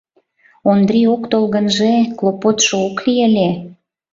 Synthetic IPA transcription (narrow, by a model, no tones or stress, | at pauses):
ond̪ɾʲiokt̪olɣənʒeklˠopot̪ʃooklielʲe